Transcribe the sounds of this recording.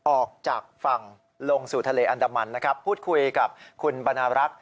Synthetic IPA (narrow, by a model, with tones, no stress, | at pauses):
ʔɔː˨˩k̚t͡ɕaː˨˩k̚fa˨˩ŋ | lo˧ŋsuː˨˩t̪ʰa˧leː˧ʔa˧ndaː˧ma˧nːa˦˥kʰɾa˦˥pʰːuː˥˩t̪̚kʰu˧jka˨˩p̚kʰu˧nba˧naː˧ɾa˦˥k̚